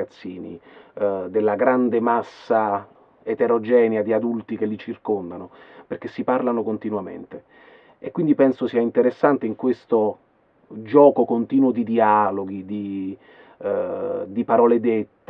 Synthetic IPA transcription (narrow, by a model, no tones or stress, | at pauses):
at̪sːiːnḭ | d̪elːaɡɾand̪emasːa | et̪eɾod͡ʒɛːnjad̪iad̪ult̪ikelːit͡ʃirkond̪anoperk̟esːiparlanokont̪inwamḛnt̪e | ekːwind̪ipɛnsosiːaint̪eɾesːant̪eiŋkwest̪o | d͡ʒɔːkokont̪iːnwod̪id̪iaːloɡid̪i | d̪ipaɾɔːled̪et̪ː